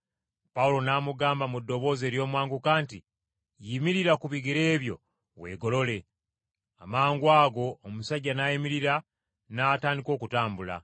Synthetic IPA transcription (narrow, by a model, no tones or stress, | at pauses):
paulo̞naːmuɡaːmbamudːo̞βo̞ːze̞ːɾjo̞ːmwaːŋɡukaːnti | jimiɾiɾakuβiɡiɾe̞ːβjo̞̰ | we̞̰ːɡo̞lo̞le̞ | amaːŋɡwaːɡo̞ːmusaɟːanajimiɾiɾa | naːtaːndiko̞ːkutaːmbula̰